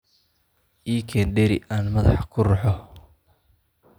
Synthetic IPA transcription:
ʔiːkʰɛːnɖɛɾɪ̰ʔaːnmɐðɑ̰ħkʰʊrʊħɔ

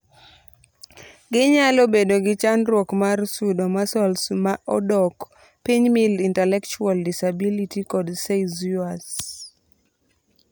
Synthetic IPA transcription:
ɡɪɲalobedoɡɪt͡ʃanɾwɔkmarsudomasɔlsmaʔɔdɔk | piɲmilintɛlɛkt͡ʃualdisabilitikɔdsezuas

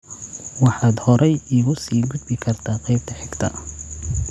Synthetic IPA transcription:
wɑħɑːd̪hɔɾʔɛjɪɣʊsiːɡʊd̪bɪkʰɐrt̪ʰaːqɛjb̚t̪ʰɐħɪɡt̪ʰɐ̰

